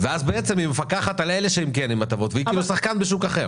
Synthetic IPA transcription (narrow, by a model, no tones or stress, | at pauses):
veazbeet͡semimefakaχat̪aleleʃeimkenimat̪avo̞t̪veikiːlusaχkanbeʃ̬ukaχeʁ